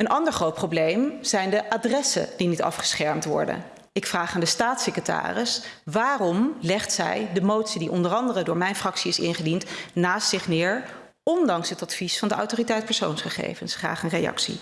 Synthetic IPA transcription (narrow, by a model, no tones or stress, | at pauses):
ənʔɑndəɹχrowt̚prowblejmz̥ɛjndəʔaːdrɛsə̰dinitɑ̰fχə̥sχɛɹmtʋɔ̰ɹdə̰n | ɪkfraːχaːndəstaːtsekəta̰ːrɪs | ʋaːrɔmlɛχtsɛ̰jdəmowtsidiʔɔndərɑndərədʊːɹmɛjnfrɑksiɪsɪ̰nχədintnaːstsɪχnɪːɹ | ɔndɑŋsɦətɑtfisfɑndəʔɑ̰wtoːritɛjt̚pɛɹso̰wnsχəχḛjvənsχra̰ːχənrejɑ̰ksḭ